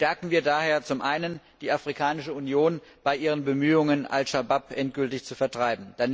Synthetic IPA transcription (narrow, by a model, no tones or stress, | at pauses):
ʃtɛɐkŋ̩viːɐdaːheːɐt͡sʊmʔaɪnən | d̥iːʔafʁ̥ikʰaːnɪʃəunjoːnb̥aɪʔiːʁ̞ənbəmyːʊŋəna̰lsʃabapʔɛnt̚ɡ̥ʏltɪçt͡sufɛɐtʁ̥aɪbm̩d̥an